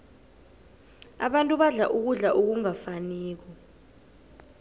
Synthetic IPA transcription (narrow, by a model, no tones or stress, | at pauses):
a̰ɓantʼuɓaɮaʔuk̬uɮaʔuk̬uŋafaniːk̬ɔ